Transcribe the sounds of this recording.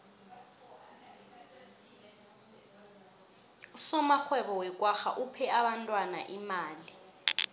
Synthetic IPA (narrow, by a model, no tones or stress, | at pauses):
usɔmaxwɛɓɔwɛkʼwaxa̰ʔupʰɛaɓantʼwana̰ʔimaːli